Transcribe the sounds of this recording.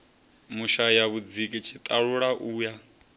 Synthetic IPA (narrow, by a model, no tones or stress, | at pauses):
muʃajaβud͡zikʼit͡ʃʰit̪ʼaɺuɺaʔuːja